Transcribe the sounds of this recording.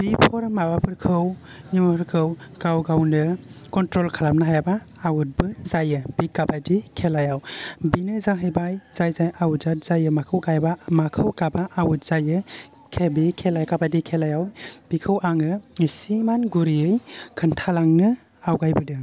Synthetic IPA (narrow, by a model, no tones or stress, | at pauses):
b̥ipʰɔɾmabapʰɯɾkʰɯw | nimaɾkʰɯwɡ̥awɡawnɯkɔntɾɔlkʰalap̚nɯɦajabaː | wut̚bɯzajɯbikabajdikʰelajawbinɯzaŋɦɯjbajz̥ajzajʔawutzat̚zajɯmakʰɯwɡajbamakʰɯwkabaʔawut̚z̥ajɯ | kʰebikʰelajkabajdikʰelajawb̥ikʰɯwʔaŋɯsimanɡuɾiɯjkʰɯntʰalaŋnɯ | awɡajbɯdɯŋ